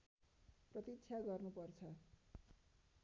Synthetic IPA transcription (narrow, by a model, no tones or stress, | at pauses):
prʌt̪itt͡sʰjaɡʌrnupʌrt͡sʰʌ